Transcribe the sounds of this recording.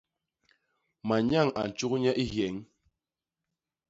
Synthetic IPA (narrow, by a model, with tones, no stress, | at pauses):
ma˨ɲa˦˨ŋa̰˨n̩˨t͡ʃu˦k̚ɲa˦ʔi˦ɦjɛ˨˦ŋ